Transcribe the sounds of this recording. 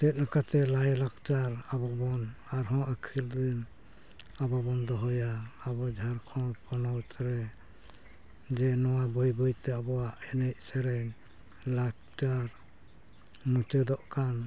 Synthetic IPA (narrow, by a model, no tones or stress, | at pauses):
tɛt̪̚ˀnakat̪ɛlajɛlakt͡ʃaɾabɔbɔn | aɾɦɔ̃əkʰild̪in | ababɔnd̪ɔɦɔjaːbɔd͡ʒʱaɾkʰɔlpɔnɔwsɛɾɛ | d͡ʒɛnɔwabɔjbɔjt̪ɛabɔwaʔɛnɛc̚ˀsɛɾɛ | lak̚t͡ʃaɾ | mut͡ʃəd̪ɔʔkan